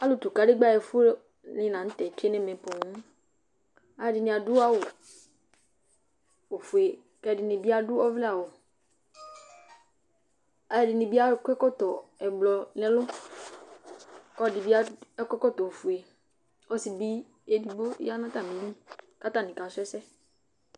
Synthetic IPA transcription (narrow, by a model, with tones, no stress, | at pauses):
a˦lu˨t̪u˨ka˨˦ɖɪ˦ɡ͡ba˦˨ɛ˨fu˦ | lĩ˦nã˨n̩˦t̪ɛ˨t͡ʃe˦nɛ̃˦mẽ˨po˨ŋũ˦ | a˨˦ɛ˦˨dɪ˨nĩ˨a˨du˦a˦wo˨ | o˨fu˨e˨ | kɛ˦˨dɪ˨nĩ˨bi˦a˦dʊ˦ɔ˦vlɛ˦a˨wo˨ | a˨jɛ˨dɪ˨nɪ̃˨bi˦a˦kɛ˦kɔ˦t̪ɔ˨ɛ˨blɔ˨nɛ̃˦lʊ˦ | kɔ˦˨dɪ˨bi˦a˦kɛ˦kɔ˦t̪ɔ˨fu˨e˨ | ɔ˦si˨bi˦ | e˦di˦bo˦ja˦nã˦t̪a˨mĩ˨˦li˦ka˦t̪a˦˨nɪ̃˨ka˨sʊ˦ɛ˦sɛ˦